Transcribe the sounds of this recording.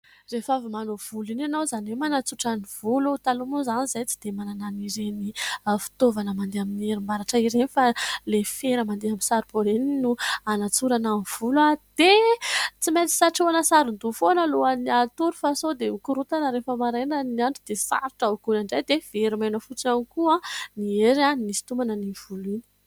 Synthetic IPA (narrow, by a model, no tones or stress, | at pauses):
refavimanov̥ulinanawzanemanat͡suʈ͡ʂanivulut̪alumozanizajt͡si̥d̪̥emanananiɾenifi̥t̪ovanəmand̪eaminieɾimaɾaʈ͡ʂəiɾenifalefeɾəmand̪eamisaɾiboɾeninuanat͡suɾanamv̥ulwad̪̥et͡simet̪i̥saʈ͡ʂuanəsaɾund̪ufonəloaniat̪uɾufasod̪eukuɾut̪anəɾefəmaɾenəniaɳʈ͡ʂid̪esa̰ɾiʈ͡ʂaukunaɳɖ͡ʐajd̪ev̥eɾimajnəfut͡sianikuanieɾanisi̥t̪umanəniv̥ulini̥